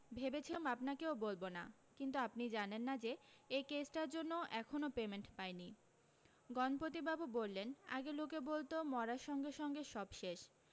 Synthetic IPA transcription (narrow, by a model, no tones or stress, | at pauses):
bʱebet͡ɕʰiomapnakeobolbona̰ | kint̪uapnid͡ʑanenːad͡ʑeekesʈaɾd͡ʑonːoʔɛkʰonopemeɳʈpaeni | ɡɔnpot̪ibabubolːena̰ɡelokebolt̪omɔɾaʃɔŋɡeʃɔŋɡeʃɔbʃeʃ